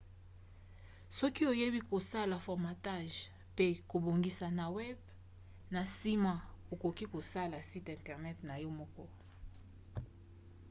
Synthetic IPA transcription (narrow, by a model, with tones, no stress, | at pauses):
sɔ˦ki˦o˨je˦bi˦ko˨sa˦la˨fɔ˨ʁma˨ta˦ʒ | pe˦ko˨bo˨ŋɡi˦sa˨na˨wɛ˦b | na˨si˦ma˨o˨ko˨ki˦ko˨sa˦la˨si˦tɛ̃˨ntɛ˨ʁnɛ˦tna˨jɔ˦mɔ˦kɔ˦